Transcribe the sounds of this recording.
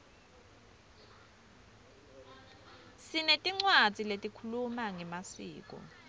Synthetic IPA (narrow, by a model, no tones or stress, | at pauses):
sinetʼiŋ͡ǀwḁd͡zʱʼiletʼikʰulumaŋɛmasiːkʼɔ̰